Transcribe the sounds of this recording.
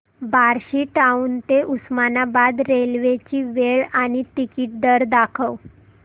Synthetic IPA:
baɾɕiːʈaunt̪eʔusmanabad̪ɾelʋet͡ɕiːʋeɭaɽ̃it̪ikiʈ̚ɖ̪əɾd̪akʰəw

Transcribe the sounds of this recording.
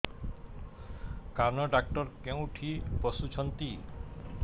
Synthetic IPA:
kaɾnɔɖak̚ʈɔɾkew̃ʈʰipɔsut͡ʃʰɔnt̪i

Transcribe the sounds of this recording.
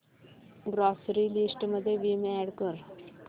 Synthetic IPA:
ɡɾɔsɾilisʈməd̪ʱːjeʋimɛɽkəɾ

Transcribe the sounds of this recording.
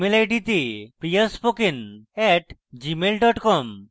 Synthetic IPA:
melejɖit̪epɾijaɾspokenɛʈd͡ʑimelɖɔʈkɔm

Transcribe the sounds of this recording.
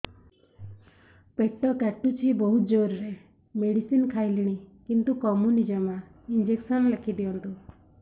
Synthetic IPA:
pet̪ɔkɛʈut͡ʃʰibɔɦut̪d͡ʒoɾɾe | meɽisinkʰajliɽ̃ikint̪ukɔmunid͡ʒɔmaind͡ʒeksɔnlekʰid̪iɔnt̪u

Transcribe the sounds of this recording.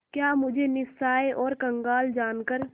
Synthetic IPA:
kjaːmʊd͡ʒʱenɪsaːeʔɔːɾkɐ̃ŋɡaːld͡ʒaːnkəɾ

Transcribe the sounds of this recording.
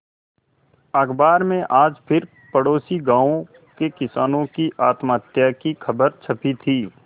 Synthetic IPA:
ɐɡbaːɾmẽʔaːd͡ʒpʰɪɾ | pəɽoːsiɡãːõ | kekɪsaːnõkiʔaːt̪maːt̪jakixʰɐbəɾt͡ʃʰɐpit̪ʰiː

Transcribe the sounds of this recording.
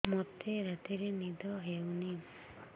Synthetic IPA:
mɔt̪eɾat̪iɾenid̪ʱɔɦewni

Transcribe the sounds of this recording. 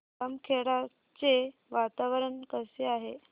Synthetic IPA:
amkʰeɽa | t͡seʋat̪aʋəɾəɳkəseaɦe

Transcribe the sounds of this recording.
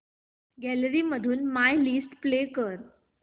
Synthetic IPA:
ɡæləɾiːməd̪ʱuːnmajlisʈplekəɾ

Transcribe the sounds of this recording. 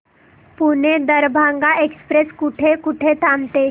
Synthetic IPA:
puned̪əɾbʱaŋɡaʔekspɾeskuʈʰekuʈʰet̪ʰamt̪e

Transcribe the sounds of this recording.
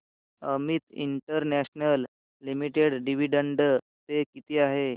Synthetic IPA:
əmit̪ḭɳʈəɾnæɕnəlː | imiʈeɽɖiʋiɖəɳɖə | t̪ekit̪iːaɦe

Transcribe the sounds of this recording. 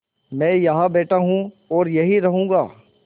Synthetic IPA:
mɛ̃ːjɐɦãbeːʈaɦũ | ɔːɾjɐɦiɾɐɦũːɡaː

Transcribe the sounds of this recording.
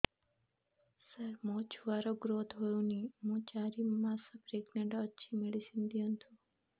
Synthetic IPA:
səɾmõt͡ʃʰuʋaɾoɡɾot̪ɦojõnimũːt͡ʃaɾimasəpɾeɡmeɳʈoːʃʰimeɭisind̪ijont̪ʰu

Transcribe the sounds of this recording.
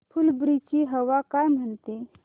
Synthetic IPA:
pʰulbɾit͡ʃiɦəʋakajm̤ənt̪e

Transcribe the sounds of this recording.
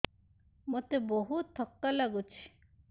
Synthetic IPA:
mot̪eboɦut̪ʰːɔkːalaɡut͡ɕʰi̥

